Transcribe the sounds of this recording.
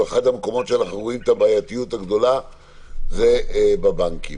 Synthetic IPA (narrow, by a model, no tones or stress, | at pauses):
eχad̪hameko̞mo̞tʃelaχeʁuimt̪abaːjat̪ijut̪haɡd̪o̞la | zebabaŋkḭ